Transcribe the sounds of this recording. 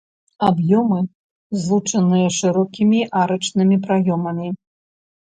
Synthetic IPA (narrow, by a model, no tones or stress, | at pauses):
abjɔmɨ | zlˠut͡ʂɐnɨjɐʂɨɾɔkʲimʲiʔaɾɐt͡ʂnɨmʲipɾajɔmɐmʲi